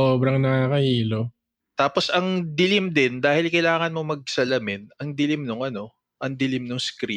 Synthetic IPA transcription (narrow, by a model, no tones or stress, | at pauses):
oːbɾɐŋnɐkaːkɐhiːlo | t̪aːpo̞sʔɐŋd̪ɪlɪmd̪ɪnd̪aːhɪlkɐjlaːŋɐnmo̞mɐɡ̚sɐlɐmɪnʔɐŋd̪ɪlɪmnʊŋʔɐno̞ | ʔɐŋd̪ɪlɪmnʊŋskɾi